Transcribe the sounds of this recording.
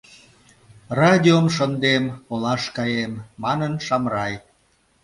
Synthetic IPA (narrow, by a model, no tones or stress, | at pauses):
rɑd̪ʲiomʃənd̪emolɑʃkɑjemːɑnənʃɑmrɑj